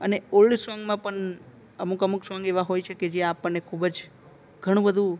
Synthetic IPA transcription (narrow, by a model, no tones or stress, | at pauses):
əneollisʋaŋɡmãpəɳ | əmukəmuksʋaŋɡeʋaɦojt͡ʃʰeked͡ʒjãːpəɳːekʰubəd͡ʒ | ɡʱəɽ̃ũbəd̪ʱũ